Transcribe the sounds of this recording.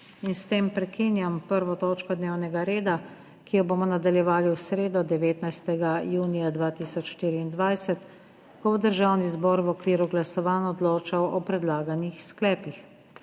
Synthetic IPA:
inst̪eːmpɾɛkiːnjampəɾʋɔt̪ɔːt͡ʃkɔd̪neːwnɛɡaɾeːd̪a | kijɔboːmɔnad̪aljɛʋaːliwsɾeːd̪ɔd̪ɛʋeːt̪najst̪ɛɡajuːnijad̪ʋaːt̪iːsɔt͡ʃʃt̪iːɾiːnd̪ʋajsɛt̪ | kɔbod̪əɾʒaːwnizbɔːɾwɔkʋiːɾuɡlasɔʋaːnɔd̪loːt͡ʃawɔpɾɛd̪laːɡanixsklɛːpix

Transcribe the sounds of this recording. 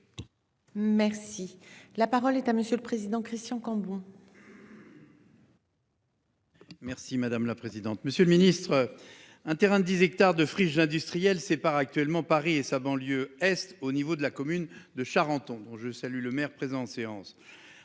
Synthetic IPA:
mɛʁsilapaʁɔlɛt̪aməsjøləpχezid̪ɑ̃kχist̪ʲjɑ̃kɑ̃bɔ̃ | mɛʁsimad̪amlapχezid̪ɑ̃t̪məsjøləminist̪χə | ɛ̃t̪eʁɛ̃d̪d̪izɛk̚t̪aʁd̪əfχiʒɛ̃d̪yst̪χijɛlsepaʁak̚t̪ɥɛlmɑ̃paʁiesabɑ̃ljøɛst̪onivod̪əlakɔmynd̪əʃaʁɑ̃t̪ɔ̃d̪ɔ̃ʒəsalyləmɛʁpχezɑ̃ɑ̃seɑ̃s

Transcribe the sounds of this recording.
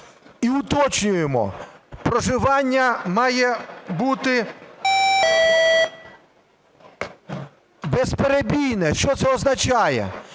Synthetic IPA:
iʊt̪ɔt͡ʃnʲʊjemɔ̰pɾɔʒɪʋɑnʲːɐmɑjɛbut̪ɪ | bɛspeɾebʲijnɛʃt͡ʃɔt̪sɛɔznɐt͡ʃɑjɛ̰

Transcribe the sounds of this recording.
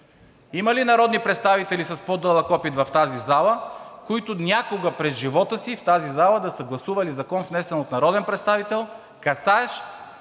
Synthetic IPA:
imɐlinɐɾɔd̪nipɾɛt̪st̪avit̪ɛlisɐspod̪ɤlˠɐkɔpit̪vɐft̪azizalˠəkoit̪ʊnʲakoɡəpɾɛzʒivɔt̪əsift̪azizalˠəd̪ɐsəɡlˠɐsuvɐlizɐkɔnvnɛsɛnot̪nɐɾɔd̪ɛnpɾɛt̪st̪avit̪ɛlˠ | kɐsaɛʃ

